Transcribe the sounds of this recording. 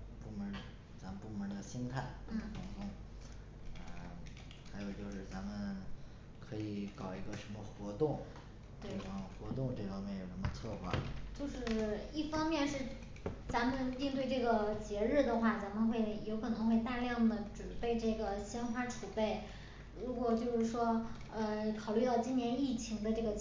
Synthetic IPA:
pu˥˩mə˧˥ | t͡sa˧˥mə˧npu˥˩mə˧˥d̪ə˧ɕi˥nt̪ʰa˥˩ɪ˥˩tʰʊ˧˥ŋkʊ˥ŋ | ə˧ | xa˧˥ɪjo˨˩ʊt͡ɕjo˥˧ʊʂɻ̩˥˩t͡sa˧˥mə˧n | kʰɤ˧˥i˨˩kɑ˨˩ʊi˧˥ɡə˧ʂə˧˥nmə˧xwɔ˧˥t̪ʊ˥˩ŋ | t̪we˥˩ɪə˧˥mə˧˩xwɔ˧˥t̪ʊ˥˧ŋʈ͡ʂɤ˥˩fɑ˥ŋmjɛ˥˩njo˨˩ʂə˧˥mə˧t͡sʰwɔ˥˧xwa̰˥˩t͡ɕjo˥˧ʊʂɻ̩˥˩i˥˩fɑ˥ŋmjɛ˥˧nʂɻ̩˥˩ | t͡sa˧˥nmə˧n˥i˥˧ŋt̪we˥˧ɪʈ͡ʂɤ˥˩ɡə˩t͡ɕjɛ˧˥ɻɻ̩˥˩d̪ə˩xwa˥˩t͡sa˧˥mə˧nxwe˥˩ɪjo˧˥ʊkʰɤ˨˩nɤ˧˥ŋxwe˥˧ɪt̪a˥˧ljɑ˥˩ŋd̪ə˩ʈ͡ʂɻ̩˨˩pe˥˧ɪʈ͡ʂɤ˥˩ɡə˩ɕjɛ˥nxwa˥ʈ͡ʂʰu˨˩pe˥˩ɪ | ɻu˧˥kwɔ˨˩t͡ɕjo˥˧ʊʂɻ̩˥˩ʂwɔ˥ | ə˧kʰɑ˨˩ʊly˥˧t̪ɑ˥˩ʊt͡ɕi˥njɛ˧˥ni˥˩t͡ɕʰi˧˥ŋd̪ə˧ʈ͡ʂɤ˥˩ɡə˩

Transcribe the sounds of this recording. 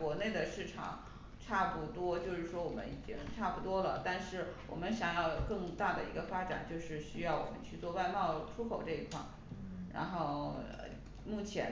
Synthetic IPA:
wɔ˧˥ne˥˩ɪd̪ə˩ʂɻ̩˥˩ʈ͡ʂʰɑ̰˨˩˦ŋ | ʈ͡ʂʰa˥˩pu˧˩t̪wɔ˥t͡ɕjo˥˧ʊʂɻ̩˥˩ʂwɔ˥wɔ˨˩mə̰˦ni˨˩t͡ɕi˥ŋʈ͡ʂʰa˥˩pu˥˩t̪wɔ˥lə̰˨t̪a˥˧nʂɻ̩˥˩wɔ̰˨˩mə˦nɕjɑ˨˩ŋjɑ˥˧ʊkɤ˥˧ŋt̪a˥˩d̪ə˩ḭ˧˥ɡə˧fa˥ʈ͡ʂa̰˨˩˦nt͡ɕjo˥˧ʊʂɻ̩˥˩ɕy˥jɑ˥˩ʊwɔ̰˨˩mə̰˦nt͡ɕʰy˥˧t͡swɔ˥˧wa˥˧ɪmɑ˥˩ʊʈ͡ʂʰu˥kʰo˨˩ʊʈ͡ʂɤ˥˧i˧˥kʰwa˥˩ | ɻa̰˧˥nxo˥˩ʊə̰˧ | mu˥˩t͡ɕʰjɛ˧˥

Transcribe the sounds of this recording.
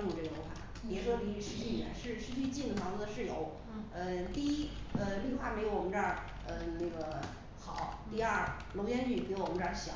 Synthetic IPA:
u˨˩ʈ͡ʂɤ˥˩jo˧˥xwa̰˥˩ | jɛ˨˥˩ʂwɔ˥ni˧˥˧ʂɻ̩˧˥t͡ɕʰy˥˩˧ɛ̰˧˩˥nʂɻ̩˥˧ʂɻ̩˥t͡ɕʰy˥˧t͡ɕi˥˩nd̪ə˩tʰɑ˧˥u˥d̪ə˧ʂɻ̩˥˩jo˧˥ʊ | ə˧t̪i˥˧i˥ə˧ly˥˩˧xwa˥˩me˧˥ɪjo˧˥ʊwɔ˨˩m˧˦˥ə˥˩ | ə˧na˥˩ɡə˩ | xɑ˨˩˦ʊt̪i˥˧ɐ˞˥˩ | lo˧˥ʊt͡ɕjɛ˥nt͡ɕy˥˩pwɔ˨˩mə˦˥ə˥˧˩ɕjɑ̰˨˦

